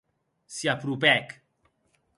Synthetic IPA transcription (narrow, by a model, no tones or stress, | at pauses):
siapɾupɛk